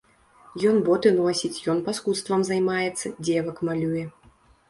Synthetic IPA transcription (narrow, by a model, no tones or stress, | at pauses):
jɔnbɔt̪ɨnɔsʲit͡sʲjɔnpaskut̪st̪vɐmzajmajɛt̪sːɐd͡zʲɛvɐkmalʲujɛ